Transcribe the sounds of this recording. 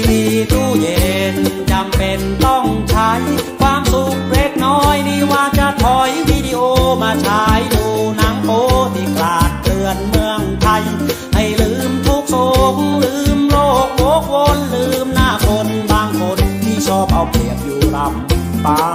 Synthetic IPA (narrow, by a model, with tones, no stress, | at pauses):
niː˧t̪uː˧˥˩je˨˩˨nt͡ɕa˧mpe˧nt̪ɔ˥˩ŋt͡ɕʰa˦˥jkʰwaː˧msu˨˧k̚ɾeː˧˩k̚nɔː˧˥˩jniː˧˩waː˧˩t͡ɕa˧˩t̪ʰɔ˧˩jwiː˧˩di˧ʔoː˧maː˧t͡ɕʰaː˦˥jduː˧naː˧˥ŋpoː˧˥t̪ʰiː˧˩klaː˨˩t̪̚ːɯ˧ənmɯ˧əŋt̪ʰa˧jha˧˩jlɯː˧˥mt̪ʰu˦˩k̚so˨˩ŋlɯː˧˦˥mloː˧˥˩k̚lo˧˦˥k̚wo˧˥nlɯː˧mnaː˧˩kʰo˧nbaː˧ŋkʰo˧nt̪ʰiː˧˩t͡ɕʰɔː˥˩p̚ʔɔ˧˩wi˨˩əp̚juː˨˩ɾa˧mt̪aː˧